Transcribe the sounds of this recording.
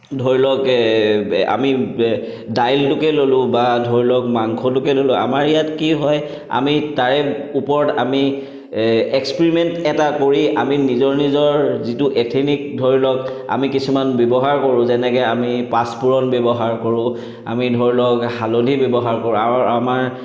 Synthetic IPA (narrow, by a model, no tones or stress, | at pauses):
dʱoɹilɔk | a̰mi | dajltʊkɛlolʊ̃badʱoɹilɔk̚maŋkʰɔlʊkɛlolʊ̃a̰maɹijatkiɦɔj | a̰mitaɹɛupɔɹɔtami | ekspiɹimɛntɛtakoɹiʔaminizɔɹnizɔɹzituʔetʰinik̚dʱoɹilɔka̰mikisumanbebɔɦaɹkoɹʊ̃zɛnɛkɛamipaspuɹɔnbebɔɦaɹkoɹʊ̃ | a̰midʱoɹilɔkhalodʱibɔbɔɦaɹkoɹʊ̃aamaɹ